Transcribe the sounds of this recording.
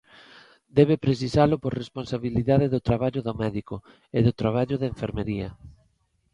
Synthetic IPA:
d̪ɛβepɾes̬isalʊpoɾresponsaβiliðaðeðʊt̪ɾaβaʎʊðomɛðiko | eðʊt̪ɾaβ̞aʎʊðeɱfeɾmeɾiɐ

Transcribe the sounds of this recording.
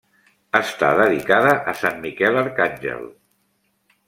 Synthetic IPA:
əst̪a̰ðəðikaðəʔəsanmikɛləɾkanʲʒɛ̰lˠ

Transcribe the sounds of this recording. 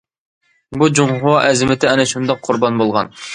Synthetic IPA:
bud͡ʒumχʊwɑʔɛzɪmɪt̪ʰɪɛnɛʃund̪ɑqʰːʊɾbɑnbolˠʁɑ̰n

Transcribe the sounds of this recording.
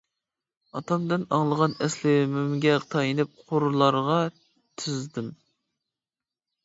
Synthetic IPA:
ɑt̪ʰɑmd̪ɪnɑŋlˠəʁɑnɛslɪmymɡʲɛqʰt̪ʰɑjinɨp̚qʰʊɾlˠɑɾʁɑ | t̪ʰɪzd̪ɪm

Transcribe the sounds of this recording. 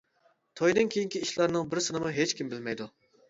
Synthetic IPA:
t̪ʰɔjd̪ɨnkʲʰejiŋkʲiiʃlˠɑɾnɨŋbɪɾsɨnɨmʊɦet͡ʃkʲimbɪlmɛjd̪u

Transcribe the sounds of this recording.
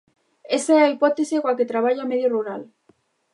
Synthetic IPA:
esaɛaipɔt̪esekwaket̪ɾaβ̞aʎameðjoruɾal

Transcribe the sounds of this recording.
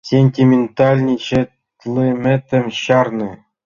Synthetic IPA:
sʲenʲtʲimʲent̪alʲnʲiɕɘ̆ | t̪lˠimʲɘ̆t̪ʲɘ̆mʲɕɑrnɤ̆

